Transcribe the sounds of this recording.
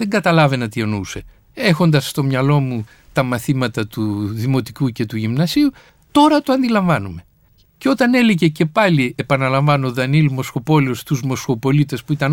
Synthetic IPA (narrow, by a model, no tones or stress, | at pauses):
ðeŋɡɐt̪ɐlɐve̞nɐt̪ienuse̞ | e̞xo̞nd̪ɐsːt̪o̞mɲɐlo̞mu | t̪ɐmɐθimɐt̪ɐt̪uðimo̞t̪i̥kuce̞t̪uʝimnɐsiu | t̪o̞ɾɐt̪oɐnd̪ilɐɱvɐnume̞ | ceo̞t̪ɐne̞leʝe̞ce̞pɐliepɐnɐlɐɱvɐnoðɐnilmo̞sxo̞po̞leost̪uzmo̞sxo̞po̞lit̪e̞spuit̪ɐn